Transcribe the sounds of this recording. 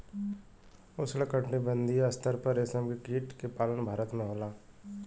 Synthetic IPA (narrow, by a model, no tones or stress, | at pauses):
ʊsləkə̃ʈɳibə̃nd̪ʱiɐst̪ʰəɾpəɾesəmkekiːʈkepaːlənbʱaːɾət̪mẽɦoːlaː